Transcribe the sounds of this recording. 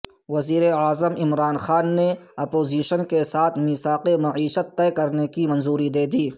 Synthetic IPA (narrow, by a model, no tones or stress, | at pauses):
ʋɐziːɾeaːzəmɪmɾaːnxaːnːeɐpoːziːʃənkesaːt̪ʰmisaːqemɐʕiːʃət̪ːɛːkɐɾnekimɐ̃nzuːɾid̪eːd̪iː